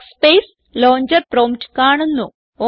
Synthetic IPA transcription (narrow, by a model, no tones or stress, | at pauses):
speːs | loːɲd͡ʒɐɾpɾoːmʈkaːɳɐnːu | o